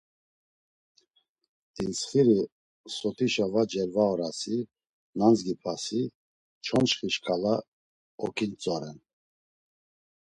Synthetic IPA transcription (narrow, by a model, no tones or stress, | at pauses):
d̪̥insχiɾi | sɔt̪ʰiʃavad͡ʒɛɾvaɔɾasi | nanzɡipʰasi | t͡ʃʰɔnʃχiʃkʰʼala | ɔkʰʼint͡sʼɔɾɛn